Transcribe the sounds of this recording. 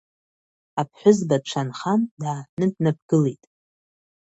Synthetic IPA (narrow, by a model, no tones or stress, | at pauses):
apʰħʷʊzbaʈ͡ʂʷʰanχandaːnɨdnap̚ɡ̥ɨlejtʼ